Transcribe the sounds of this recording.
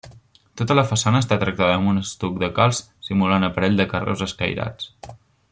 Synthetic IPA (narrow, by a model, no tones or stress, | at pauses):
t̪ot̪ələfəsanəːst̪at̪ɾək̚t̪aðəːmunəst̪uk̚d̪əkalˠs | simulanəpəɾɛʎʲd̪əkərɛ̰wzəskə̰jɾa̰t͡s